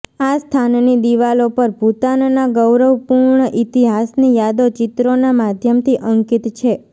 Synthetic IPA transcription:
ast̪ʰannid̪iʋalopəɾbʱut̪annaɡəwɾəʋpuɾɳəʔit̪iɦasnijad̪ot͡ʃɪt̪ɾonamad̪ʱjəmt̪ʰiʔəŋkit̪t͡ʃʰe

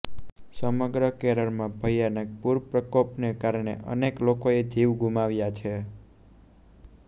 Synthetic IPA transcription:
səməɡɾəkeɾəɾmãbʱəjanək̚puɾpɾəkopnekaɾɳ̃ḛʔə̰neklokoed̪ʱiʋɡʱumaʋjat͡ʃʰe

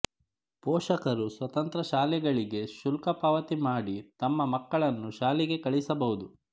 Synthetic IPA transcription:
poːʃɐkɐɾusʋɐt̪ɐnt̪ɾɐʃaːlɛɡɐɭiɡe̞ʃulkɐpɐʋɐt̪imaːɽit̪ɐmːɐmɐkːɐɭɐnːuʃaːlɛɡe̞kɐɭisɐbɐɦud̪u

